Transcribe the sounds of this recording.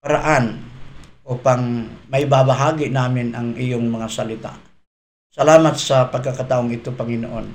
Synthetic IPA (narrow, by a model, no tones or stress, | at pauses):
pɐɾaʔanʔopɐŋmɐjbabɐɦaːɡɪnaːmɪnʔɐŋʔɪjoŋmɐŋasɐlɪt̪a̰ʔ | sɐlaːmɐt̪̚sɐpɐɡ̚kakat̪aːʔoŋɪt̪opɐŋɪno̰ʔo̞n